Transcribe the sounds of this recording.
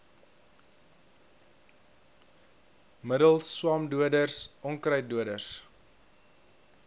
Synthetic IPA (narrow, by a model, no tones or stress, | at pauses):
mədəlˠsːwɑːmduədərsɔŋkrəjt̚duədərs